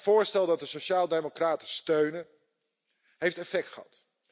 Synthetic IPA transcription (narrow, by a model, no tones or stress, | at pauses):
v̥ʊːɹstɛlˠdɑt̚dəsoʃaːlˠdejmokraːtəstøɥnə | ɦejftɛfɛk̚tχəɦɑ̰t